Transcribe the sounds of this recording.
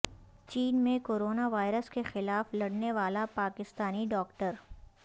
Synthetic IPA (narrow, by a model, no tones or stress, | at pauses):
t͡ʃiːnmẽkoːɾoːnaʋaːɪɾəskexɪlaːflɐɽneʋaːlapaːkɪst̪aːniɖɔːkʈəɾ